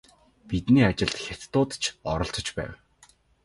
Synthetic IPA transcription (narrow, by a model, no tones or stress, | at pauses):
pit̪niːat͡ɕɪ̆ɮt̪xʲet̪ːʊːt̪t͡ɕʰɔɾɞ̆ɬt̪ɞ̆t͡ɕpæ̰ːw